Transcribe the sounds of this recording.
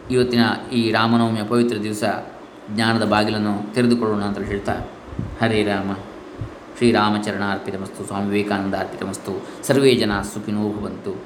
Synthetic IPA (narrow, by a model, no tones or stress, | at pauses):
iʋɐt̪ːinɐiːɾaːmɐnɐːmjɐpɐʋit̪ɾɐd̪iʋɐsɐ | ɡɲaːnɐd̪ɐbaːɡilɐnːut̪eɾed̪ukoɭːoːnuɐnt̪ɾɐlɦeːɭt̪a̰ː | hɐɾiɾaːmɐ | ʃɾiːɾaːmɐt͡ʃɐɾɐɳaːɾpit̪ɐmɐst̪uswaːmiʋeːkaːnɐnd̪aːɾpit̪ɐmɐst̪u | sɐɾʋeːd͡ʒɐnasukʰinuːbʱɐʋɐnt̪u